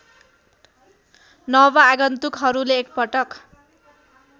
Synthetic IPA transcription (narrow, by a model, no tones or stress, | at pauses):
nʌβʌaɡʌnt̪ukɦʌɾuleːk̚pʌʈʌk